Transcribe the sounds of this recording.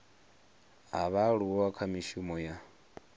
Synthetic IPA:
ɦa̰βaɺuwɔwakʰamiʃumɔja

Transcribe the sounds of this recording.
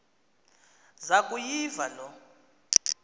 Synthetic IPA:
zakʼujivalɔ

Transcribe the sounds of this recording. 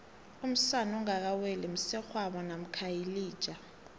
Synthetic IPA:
um̩sanɔŋak̬awɛlɛm̩sɛxwaɓanam̩kʰajiliːd̥ʒ̥ʼʱa

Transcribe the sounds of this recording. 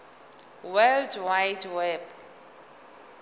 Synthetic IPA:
wɛldwajdwɛb

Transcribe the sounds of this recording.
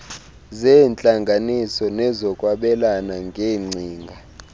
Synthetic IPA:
zɛnt͡ɬʼaŋɡʱanisɔnɛzɔkʼwaɓɛlanaŋɡʱeːŋ͡ǀʱiːŋɡʱa

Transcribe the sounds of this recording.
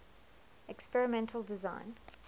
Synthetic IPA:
ɛkspɛɹɪmɛ̃ntʰəlˠdɪzã̰ɪ̃n

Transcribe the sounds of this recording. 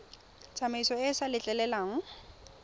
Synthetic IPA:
t͡sʼamaisɔɪsalɪt͡ɬʼɛlɛlaːŋ̩

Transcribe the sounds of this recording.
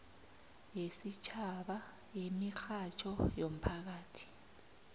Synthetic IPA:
jesit͡ʃʰaɓa | jemixat͡ʃʰɔjom̩pʰak̬aːtʰi̥

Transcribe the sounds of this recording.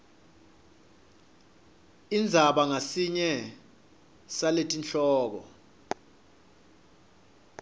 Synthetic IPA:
ind͡zʱaɓaŋasiɲɛ | saletʼint͡ɬʰʼɔːk̬ɔ̰

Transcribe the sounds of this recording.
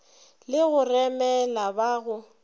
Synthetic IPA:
lɪɣʊrɛmɛlabaɣʊ

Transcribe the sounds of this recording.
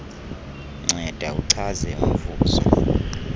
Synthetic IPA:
ŋ͡ǀʱɛd̥ʱauǀʰazɛum̩vuːzɔ̰

